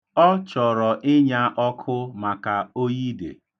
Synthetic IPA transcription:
ɔ˦t͡ʃɔ˨ɾɔ˨ʔɪ˦ɲa˦ʔɔ˦kʰʊ˦ma˨ka˨o˦ji˦dḛ˨

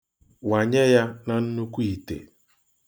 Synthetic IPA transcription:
wa˨ɲe˦ja˦na˨n̩˦nu˦kʷu˦i˨tḛ˨

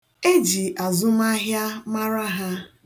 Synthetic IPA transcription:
e˦d͡ʒi˨ʔa˨zʊ˦ma˦ɦja˦ma˦ɾa˦ɦa˦

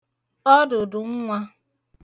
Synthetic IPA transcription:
ɔ˦dʊ˨dʊ˨ŋ̩˦ŋʷa˦

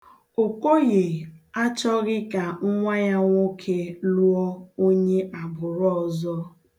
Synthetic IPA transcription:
o˨ko˦ɣe˨a˦t͡ʃɔ˦ɣɪ˦ka˨ŋʊ˦ŋʷa˦ja˦ŋʷo˦kʰe˦lu˦ɔ˦o˦ɲe˦ʔa˨bʊ˨ɾɔ˦ɔ˨zɔ˦

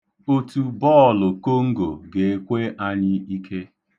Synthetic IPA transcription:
o˦tu˨bɔ˦˨lʊ˨ko˦ŋ̩˦ɡo̰˨ɡe˨e˦kʷe˦ʔa˦ɲɪ˦i˦kʰe˦

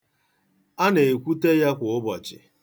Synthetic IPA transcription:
a˦ne˨e˨kʷu˦te˦ja˦kʷʊ˨ʊ˦bɔ˨t͡ʃɪ̰˨

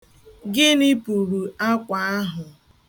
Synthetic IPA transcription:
ɡɪ˦ni˦pu˨ɾu˨a˦kʷa˨a˦ɦʊ˨

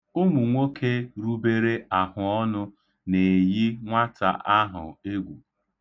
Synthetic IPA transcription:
o˦mu˨ŋʷo˦kʰe˦ɾu˦be˦ɾe˦a˨hʊ˨ɔ˦nʊ˦ | ne˨ji˦ŋʷa˦ta̰˨ʔa˦ɦʊ̰˨e˦ɡʷṵ˨

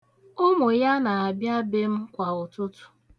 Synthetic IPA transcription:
ʊ˦mʊ˨ja˦na˨a˨bja˦be˦m̩˦kʷa˨ʊ˨tʊ˦tʊ̥˨

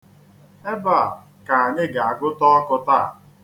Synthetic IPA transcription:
e˦ba˦˨ | ka˨a˨ɲɪ˦ɡa˨a˨ɡʊ˦tɔ˦ɔ˦kʊ˦ta˦a̰˨

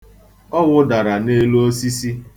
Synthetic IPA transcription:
ɔ˦wʊ˦da˨ɾa˨ne˦lo˦o˦si˦si˦

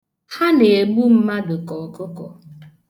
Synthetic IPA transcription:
ha˦ne˨e˨ɡ͡bu˦m̩˦ma˦dʊ˨kɔ˨kʊ˦kɔ˨

